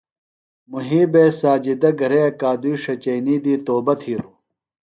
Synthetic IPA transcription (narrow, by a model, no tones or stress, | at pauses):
muɦiːbeːsaːd͡ʑid̪ɐɡʱɐɾeɐkaːd̪uiʂɐt͡ɕɐjniːd̪iːt̪oːbɐt̪ʰiːɾu